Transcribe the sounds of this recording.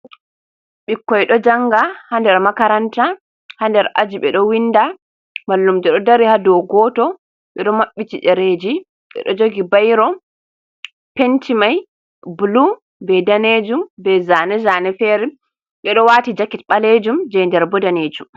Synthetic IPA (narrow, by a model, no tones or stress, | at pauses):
ɓikːɔjɗɔd͡ʒaŋɡahandɛɾmakaɾanta | handɛɾʔad͡ʒiɓɛɗɔwinːda | malːumd͡ʒɛɗɔdaɾihadɔɡɔtɔ | ɓɛɗɔmaɓːitiɗɛɾeːd͡ʒi | ɓɛ̰ɗɔd͡ʒoɡibajɾɔ | pentimaj | bulu | bɛdaned͡ʒumbɛzanɛzanɛfɛɾɛ | ɓɛɗɔwaːtid͡ʒakitɓaled͡ʒumd͡ʒɛjndɛɾbɔdaneːd͡ʒum